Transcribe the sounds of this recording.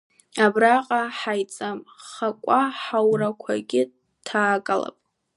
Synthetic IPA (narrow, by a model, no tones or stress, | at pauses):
abraqʼaħajt͡sʼamχakʷʼaħawrakʷʰa̰ɡʲɪ | tʰaːkʼala̰pʼ